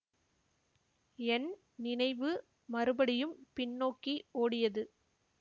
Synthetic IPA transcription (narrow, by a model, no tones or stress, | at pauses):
ɛn | nɪnɐɪʋɯ | mɐɾɯbɐɽɪjɯmpɪɳːoːkːioːɽɪjɐðɯ